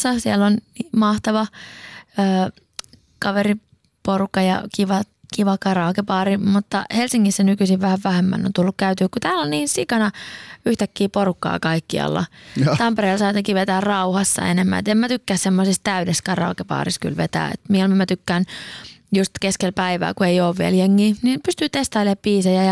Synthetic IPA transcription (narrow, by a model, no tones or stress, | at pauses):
sɑsielːonniːmɑht̪ɑʋɑ | øː | kɑʋeri | porukːɑjɑ̰kiʋɑ | kiʋɑkɑrɑːkepɑːɾimut̪ːɑhelsiŋːisːænykysiʋʋæhæʋʋæhemːæ̰no̰nt̪ulːukkæyt̪yːkkut̪æːlonniːnsikɑnɑyht̪ækːiːporukːɑ̰ːkɑikːiɑ̰lːɑ̰t̪ɑmpereːlsɑit̪ɑkiːʋet̪æːrrɑuhɑsːɑ̰ḛnemːæ̰nḛt̪emmæt̪ykːæːssemːosist̪æydeskɑrɑ̰ːkepɑ̰ːrisky̰lʋet̪æ̰ːḛt̪miolmimæt̪ykːæːnjust̪keskelpæiʋæ̰ːkueioːʋʋiɛljeŋːiːnipyst̪yːt̪est̪ɑːlieppiːsɑjæjɑ